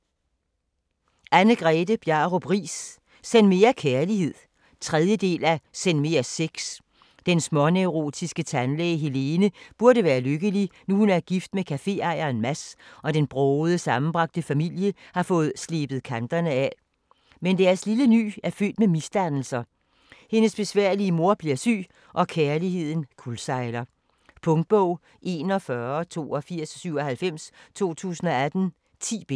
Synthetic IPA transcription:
ʔænəɡ̥ʁɛːdəb̥jɑʁob̥ʁḭːs | senme̝ækʰæɐlihe̝ð̞̰ˠ | t͡sʰʁɛð̞ˠjəd̥e̝̰ːlæsenme̝æseɡ̥s | d̥ensmɒ̽neʊʁo̝̰ːd̥ʰisɡ̥ət͡sʰænlɛːɪɦele̝ːnəb̥uɐɾəʋæːɐløɡ̥əlinuhunæɐɡ̥ifd̥mekʰæfe̝̰ɑ̈ɪɐːnmæsʔɒ̽d̥enb̥ʁɔʊð̞̩ˠəsɑ̈mn̩b̥ʁɑ̈ɡ̥̚d̥əfæmil̰jəhɑ̈fɔ̽ːð̞̩ˠsle̝ːb̥ð̩ˠkʰænd̥ɐnəæ | mend̥æɐsliləny̰ːæɐfø̰ːd̥memisd̥ænl̩sɐ | he̝nəsb̥e̝sʋæɐ̰liəmo̝ɐ̰b̥liɐsy̰ː | ʔɒ̽kʰæɐlihe̝ð̞̰ˠn̩kʰulsɑ̈ɪlɐ | pʰɔ̽ŋd̥̚b̥ɔʊ̰ | ʔe̝ːnɒ̽fɶɐt͡sʰo̝̰ːɒ̽fiɐ̰ssyʊ̰ɒhælfem̰st͡sʰo̝̰ːt͡sʰṵːsn̩ɒ̽æd̥n̩ | t͡sʰḭːb̥e

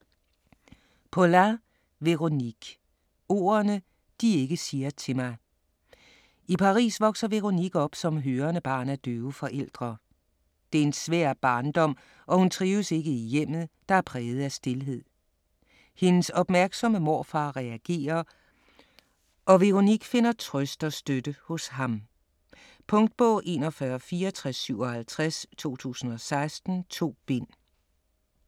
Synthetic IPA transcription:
pʰolæ | ʋe̝ʁo̝niɡ̥ | o̝̰ːɐnə | d̥ie̝ɡ̥əsiːɐt͡sʰe̝mɑ̈ɪ | ipʰɑ̈ʁḭːsʋɒ̽ɡ̥sɐʋe̝ʁoniɡ̥ɒ̽b̥sɒ̽mɦøːɐnəb̥ɑ̰̈ːnæɐd̥øːʊfɒ̽ʔel̰d̥ʁɐ | d̥e̝ɐe̝nsʋæ̰ɐ̰b̥ɑ̈ːnd̥ɒ̽m̰ | ʔɒ̽hunt͡sʰʁiːʊəse̝ɡ̥əijem̰ð̩ˠd̥ɑ̈æɐpʰʁɛːð̞̩ˠæsd̥e̝lɦe̝ð̞̰ˠ | he̝nəsɒ̽b̥mæɐɡ̥sɒ̽məmo̝ɐfɑ̈ːʁɛæɡ̥e̝̰ːɐ | ʔɒ̽ʋe̝ʁo̝niɡ̥fe̝n̰ɐt͡sʰʁœsd̥ɒsd̥ød̥əhɔ̽shɑ̈m | pʰɔ̽ŋd̥̚b̥ɔ̰̽ːʔe̝̰ːnɒ̽fɶːɐfiːɐɒt͡sʰʁasːyʊ̰ɒhælt͡sʰʁast͡sʰo̝̰ːt͡sʰṵːsn̩ɒ̽sɑ̈ɪsd̥n̩t͡sʰo̝̰ːb̥e̝n̰

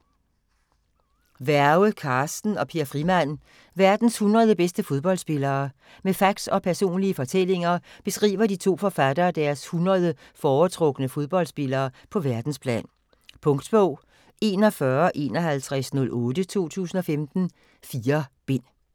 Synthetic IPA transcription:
ʋæɐʊəkʰɑ̈ːsd̥n̩ɒ̽pʰiɐfʁimæn̰ | ʋæɐd̥n̩shunʁɐð̞ˠəb̥esd̥əfo̝ð̞ˠb̥ɒ̽l̰sb̥e̝lɐː | mefɑ̈ɡ̥sɒ̽pʰæɐso̝̰ːnliəfɒ̽t͡sʰel̰e̝ŋɐb̥e̝sɡ̥ʁḭːʋɐd̥it͡sʰo̝̰ːfɒ̽fæd̥ɐːd̥æɐshunʁɐð̞ˠə | fɒːt͡sʰʁɔ̽ɡ̥ənəfo̝ð̞ˠb̥ɒ̽l̰sb̥e̝lɐːpʰɒ̽ʋæɐd̥n̩spʰlɛ̰ːn | pʰɔ̽ŋd̥b̥ɔʊ̰ | e̝ːnɒ̽fɶɐʔe̝̰ːnɒ̽ɦælt͡sʰʁasnɔ̽lʔɔ̽ːd̥ət͡sʰo̝̰ːt͡sʰṵːsn̩ɒ̽femd̥n̩ | fiːɐb̥e̝n̰

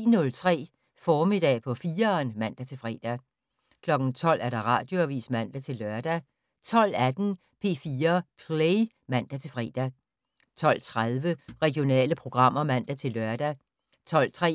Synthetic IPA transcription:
nɔ̽lt͡sʰʁɛ̰ː | fɒːme̝d̥ɛ̰ːpʰɒ̽fiːɐnmæn̰d̥æt͡sʰe̝lfʁɛ̰ːd̥æ | kʰlɒ̽ɡ̥n̩t͡sʰɒ̽l̰æɐɾ̥ɑ̈ʁɑ̈ːd̥jo̝æʋḭːsmæn̰d̥æt͡sʰe̝lːɶɐd̥æ | t͡sʰɒ̽l̰æd̥n̩ | pʰe̝̰ːfiːɐpʰleɪ | mæn̰d̥æt͡sʰe̝lfʁɛ̰ːd̥æ | t͡sʰɒ̽l̰t͡sʰʁaðˠʋəʁɛɡ̥jo̝nɛ̰ːləpʰʁo̝ɡ̥ʁɑ̈m̰ɐmæn̰d̥æt͡sʰe̝lːɶɐd̥æ | t͡sʰɒ̽l̰t͡sʰʁɛ̰

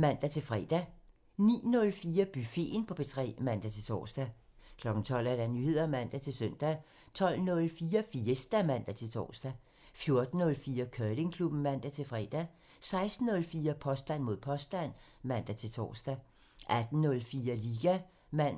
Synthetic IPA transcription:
mæn̰d̥æt͡sʰe̝lfʁɛ̰d̥æ | nḭːnɔ̽lfiːɐb̥yfe̝̰ːnpʰɒ̽b̥e̝t͡sʰʁɛ̰ːmæn̰d̥æt͡sʰe̝lt͡sʰɒ̰ːsd̥æ | kʰlɒ̽ɡ̥n̩t͡sʰɒ̽l̰æɐɾ̥ænyhe̝ð̞̰ˠɐmæn̰d̥æt͡sʰe̝lsøn̰d̥æ | t͡sʰɒ̽l̰nɔ̽lfiːɐfiːsd̥æmæn̰d̥æt͡sʰe̝lt͡sʰɒ̰ːsd̥æ | fjo̝ɐd̥n̩ːɔ̽lfiːɐkʰøːle̝ŋkʰlub̥n̩mæn̰d̥æt͡sʰe̝lfʁɛ̰d̥æ | sɑ̈ɪsd̥n̩ːɔ̽lfiːɐpʰɒ̽sd̥æn̰mo̝ð̞̰ˠpʰɒ̽sd̥æn̰ | mæn̰d̥æt͡sʰe̝lt͡sʰɒ̰ːsd̥æ | ʔæd̥n̩ːɔ̽lfiːɐliːɡ̥æ | mæn̰

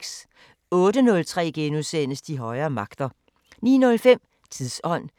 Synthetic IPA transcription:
ɡ̥s | ɔ̽ːd̥ənɔ̽lt͡sʰʁɛ̰ːɡ̥enusen̰əsd̥iɦɒ̽ɪɐːmɑ̈ɡ̥d̥ɐ | nḭːnɔ̽lfem̰ | t͡sʰiðˠsɒ̽n̰

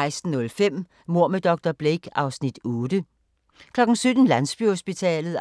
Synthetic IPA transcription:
ɪsd̥n̩ːɔ̽lfem̰ | mo̝ɐ̰med̥ɒ̽ɡ̥̚d̥ɐb̥leɡ̥ɑ̈ʊsnid̥ɔːd̥ə | kʰlɒ̽ɡ̥n̩sød̥n̩lænsb̥yhosb̥it͡sʰɛ̰ːlð̩ˠ

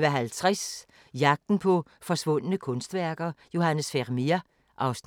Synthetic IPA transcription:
ʋæɦælt͡sʰʁɛs | jɑ̈ɡ̥̚d̥n̩pʰɔ̽fɒ̽sʋɔ̽n̰ənəkʰɔ̽nsd̥ʋæɐɡ̥ɐjo̝hænəsfeʁmiɐ | ʔɑ̈ʊs

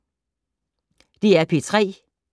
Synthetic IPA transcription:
d̥iæɐpʰit͡sʰʁɛ̰ː

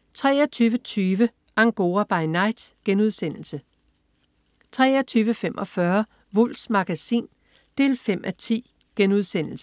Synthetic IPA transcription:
t͡sʰʁɛ̰ːɐt͡sʰyːʋət͡sʰyːʋə | ʔɑ̈ŋɡ̥o̝ːɐb̥ɑ̈ɪnɑ̈ɪd̥ɡ̥enuð̞ˠsen̰l̩sə | t͡sʰʁɛ̰ːɐt͡sʰyːʋəfem̰ʔɒ̽fɶɐ | ʋɔl̰smɑ̈ɡ̥æsḭːn | d̥e̝̰ːlfem̰ʔæt͡sʰḭː | ɡ̥enuð̞̰ˠsen̰l̩sə

